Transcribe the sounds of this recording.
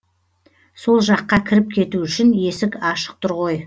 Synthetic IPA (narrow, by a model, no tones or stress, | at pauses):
so̞lˠʒɑqːɑkʲʰɪɾɪp̚kʲʰe̞t̪uʏʃɪne̞sɪkɑʃə̥q̚t̪ʰʊɾʁo̞j